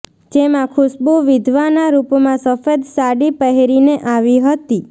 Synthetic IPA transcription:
d͡ʒemãkʰʊsbuʋɪd̪ʱʋanaɾupmãsəfed̪saɽipəɦeɾineʔaʋiɦət̪i

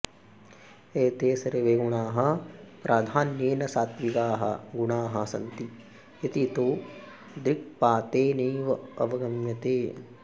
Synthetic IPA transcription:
eːt̪eːsɐɾeʋeːɡuɳaːɦɐpɾʔaːd̪ʱaːnjeːnɐsaːt̪ʋikaːɦɐ̰ɡuɳaːɦɐsɐ̰nt̪i | jɐt̪it̪oː | d̪ɾik̚paːt̪eːneːʋɐɐʋɐɡɐmjɐt̪eː

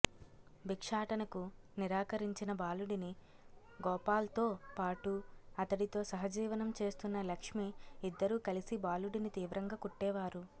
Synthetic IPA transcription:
bikʂaːʈɐnɐkuniɾaːkɐɾiɲt͡ʃinɐbaːluɽini | ɡɔːpaːlɐt̪o̞ːpaːʈuɐt̪ɐɽit̪o̞ːsɐɦɐd͡ʒiːʋɐnɐmt͡ʃe̞ːst̪unːɐlɐkʂmiːd̪ːɐɾuːkɐlisibaːluɽinit̪iːʋɾɐŋɡaːkuʈːɛːʋaːɾu

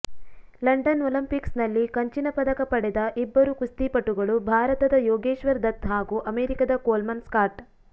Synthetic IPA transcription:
lɐɳɖɐnolɐmpiksnɐlːikɐɲt͡ʃinɐpɐd̪ɐkɐpɐɽɛd̪ɐʔibːɐɾukust̪iːpɐʈuɡɐɭubʱaːɾɐt̪ɐd̪ɐjɔːɡeːʃʋɐɾd̪ɐt̪ɦaːɡuʔɐmeːɾikɐd̪ɐkoːlmɐnskaːɾʈ

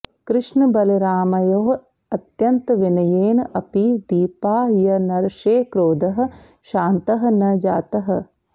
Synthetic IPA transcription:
kɾɪʂɳɐbɐliɾaːmɐjoːɦ | ɐt̪jɐnt̪ɐʋinɐjeːnɐpid̪iːpaːɦijɐnɐɾʃeːkɾoːd̪ɐɦɐ̆ | ʃaːnt̪ɐɦɐ̆nɐd͡ʒaːt̪ɐɦɐ̆

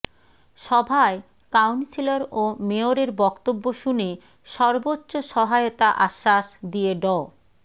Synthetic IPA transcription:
ʃɔbʱae | kawnsiloɾomeoɾeɾbɔkt̪obːoʃune | ʃɔɾbotːɕoʃɔɦajot̪aʔaʃːaʃd̪ieɖɔ

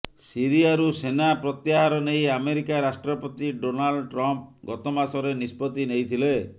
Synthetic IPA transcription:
siɾiaɾusenapɾɔt̪jaɦaɾɔnejameɾikaɾasʈɾɔpɔt̪iɖonalɖʈɾɔmp̚ɡɔt̪ɔmasɔɾenispɔt̪inejt̪ʰile

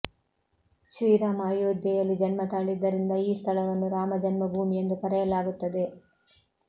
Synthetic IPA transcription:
ʃʋiːɾaːmaːjoːd̪ɐjɐlːid͡ʒɐnmɐt̪aːɭid̪ːɐɾind̪ɐiːst̪ʰɐlɐʋɐnːuɾaːmɐd͡ʒɐnmɐbʱuːmijend̪ukɐɾɛjɐlaːɡut̪ːɐd̪e̞

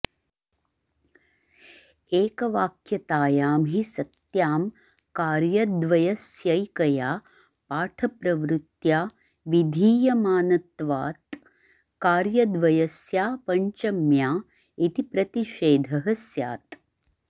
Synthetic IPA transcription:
eːkɐʋaːkʰjɐt̪aːjaːmɦisɐt̪jaːm | kaːɾjɐd̪ʋɐjɐsjɐjkɐjaː | paːʈʰɐpɾɐʋɾut̪jaː | ʋid̪ʱiːjɐmaːnɐt̪ʋaːt̪ | kaːɾjɐd̪ʋɐjɐsjaːpɐɲt͡ʃɐmjaː | it̪ipɾɐt̪iʃeːd̪ʱɐɦɐsja̰ːt̪

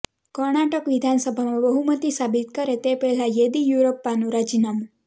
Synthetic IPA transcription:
kəɾɳaʈəkʋid̪ʱansəbʱamãbəɦumət̪isabit̪kəɾet̪epɛɦlajed̪ijuɾopːanũɾad͡ʒinamu

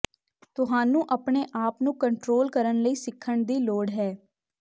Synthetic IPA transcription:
t̪ʊɦaːnũːʔəpɳeːʔaːpnũːkəɳʈɾoːlkəɾənləiːsɪkʰːəɳd̪iːloːɽɦɛː

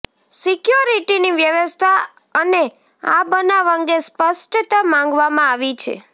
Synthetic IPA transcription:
sikjuɾiʈiniʋjəʋəst̪ʰa | əne | a̰bənaʋə̃ŋɡespəsʈət̪amãŋɡʋamãaʋit͡ʃʰḛ

